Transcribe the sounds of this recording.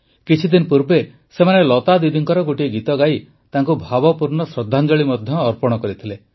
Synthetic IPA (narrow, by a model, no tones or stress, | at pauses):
kit͡ʃʰid̪inpuɾbe | semanelɔt̪ad̪id̪iŋkɔɾɔɡoʈiɡit̪ɔɡaj | t̪aŋkubʱabɔpuɾɳɔsɾɔd̪ʱːand͡ʒɔɭimɔd̪ʱjɔːɾpɔɽ̃ɔkɔɾit̪ʰile